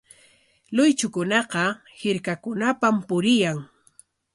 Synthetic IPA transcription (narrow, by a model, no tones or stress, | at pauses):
lʊjt͡ʃʊkʊnɑqɑ | hɪɾkakʊnapampʊɾɪjaŋ